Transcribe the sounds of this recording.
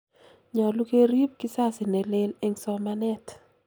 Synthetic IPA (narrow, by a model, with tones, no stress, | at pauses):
ɲɔ˨lu˦ke˦ɾi˦p̚ki˦sa˦sɪ˨nɛ˨lɪ˦le˦ŋsɔ˨˦ma˦nɛ˦t